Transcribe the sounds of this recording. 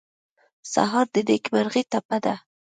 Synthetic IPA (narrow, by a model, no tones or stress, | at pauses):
sa̰ɦɑɾd̪əd̪ekbəɾɣit̪apad̪a